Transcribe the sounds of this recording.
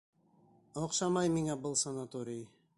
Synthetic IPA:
oqʃɑmɑjmiŋæbɤlˠsanat̪oɾʲij

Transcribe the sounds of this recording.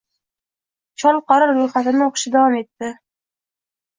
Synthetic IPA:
t͡ʃʰɒlˠqɑɾɪɾɾojχat̪ɪnɪoqʊ̥ʃɪd̪avɒme̞t̪ːɪ

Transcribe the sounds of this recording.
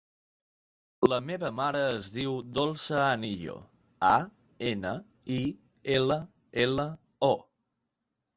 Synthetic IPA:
ləmeβəmaɾəːzðiwd̪olˠsəaniʎo̰ | a | enə | i | elə | elə | ɔ

